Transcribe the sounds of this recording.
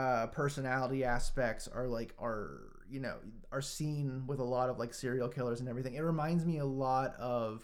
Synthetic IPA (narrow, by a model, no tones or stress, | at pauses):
ʌpʰɜ˞sɨnælˠəɾiæspɛk̚tsə˞laɪkʰə˞ | jɨnoʊ | ə˞sĩnwəðəlɔɾʌvlaɪksɪɹil̩ˠkʰɪlˠə˞zɨ̃nɛvɹiθɪ̃ŋɨt̚ɹɨmãɪ̃ndzmiəlɔɾʌv̥